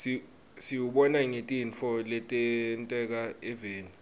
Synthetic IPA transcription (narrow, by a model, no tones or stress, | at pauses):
si | siwuɓɔnaŋetʼinfʰɔlɛtʼɛntʼɛk̬aɛveːni